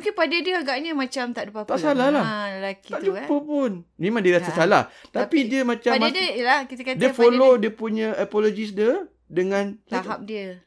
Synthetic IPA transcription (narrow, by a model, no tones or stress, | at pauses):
mukɪnpadədiəaɡaʔɲəmãt͡ʃamt̪aʔdupap̪t̪aʔsalahlaəlakiaʔd͡ʒupəpʊnmẽmãŋdiəɾasasala̰ht̪apidiəmãt͡ʃamdlahkit̪əkadiəfollodiəpuɲə̃ʔapolod͡ʒis̬diə | dəŋãnlaaɦap̚diə